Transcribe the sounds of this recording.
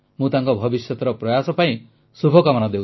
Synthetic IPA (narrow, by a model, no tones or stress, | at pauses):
mũt̪aŋkɔbʱɔbisjɔt̪ɔɾɔpɾɔjasɔpaĩ | subʱɔkamɔnad̪ew